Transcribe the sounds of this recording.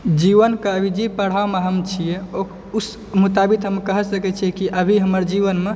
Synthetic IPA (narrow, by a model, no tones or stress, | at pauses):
d͡ʒiʋənkeəbʱid͡ʒipəɽ̤ameɦəmt͡ʃʰijeo | s | mut̪abit̪ɦəmekəɦsəkɛt͡ʃʰikiʔəbʱiɦəməɾd͡ʒiʋənme